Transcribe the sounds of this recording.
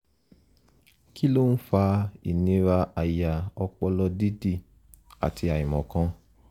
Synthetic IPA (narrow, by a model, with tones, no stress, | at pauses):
ki˦lo˦n̩˦fa˧ḭ˨nĩ˧˦ɾa˧a˨ja˨ɔ˧k͡pɔ˧lɔ˧di˦di˦˨ | a̰˨ti˧a˨i˨mɔ̃˨kã˧˦